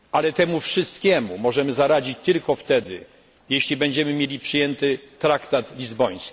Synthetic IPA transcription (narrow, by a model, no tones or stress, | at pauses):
ʔalɛt̪ɛmufʂɘst̪kʲɛmumɔʐɛmɘzaɾad͡ʑit͡ɕt̪ɘlkɔft̪ɛd̪ɘ̰ | jeɕlʲibɛɲd͡ʑɛmɘmʲjelʲipʂɘjɛnt̪ɘt̪ɾakt̪at̪lʲizbɔj̃skʲi